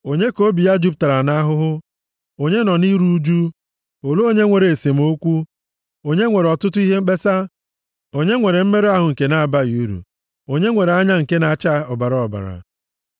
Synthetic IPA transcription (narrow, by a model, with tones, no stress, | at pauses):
o˨ɲe˦ko˦bi˨ja˦d͡ʒu˦p̚ta˨ɾa˨na˦ɦʊ˦ɦʊ˦ | o˨ɲe˦nɔ˨ni˦ɾu˦d͡ʒu˦ | o˨lo˦o˦ɲe˦ŋʷe˨ɾe˨e˨se˨m̩˦o˦kʷu˦ | o˨ɲe˦ŋʷe˨ɾe˨ɔ˨tʊ˦tʊ˦i˦ɦe˦ŋ͡m̩˦k͡pe˦sa˦ | o˨ɲe˦ŋʷe˨ɾe˨m̩˦me˦ɾe˦a˦ɦʊ˨ŋ̩˨ke˨na˨a˨ba˦ju˦ɾṵ˨ | o˨ɲe˦ŋʷe˨ɾe˨a˦ɲa˦ŋ̩˨ke˦na˨t͡ʃa˦ɔ˨ba˨ɾa˨ɔ˨ba̰˨ɾa̰˨